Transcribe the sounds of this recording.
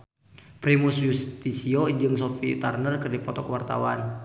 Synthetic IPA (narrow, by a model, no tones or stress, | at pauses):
pɾimusjust̪isiod͡ʒɨŋsofit̪arnərkɨrdipɔt̪ɔkəwart̪a̰wan